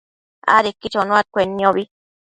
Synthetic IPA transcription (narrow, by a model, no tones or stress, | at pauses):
a̰ɾekːit͡ʃonũat̪̚kʷenːĩoβi